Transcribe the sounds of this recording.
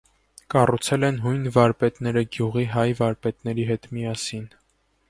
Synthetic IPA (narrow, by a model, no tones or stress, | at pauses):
kɑrut͡sʰɛlɛnɦujnvɑɾpɛt̪nɛɾəɡjuʁiɦɑjvɑɾpɛt̪nɛɾiɦɛt̪mijɑsin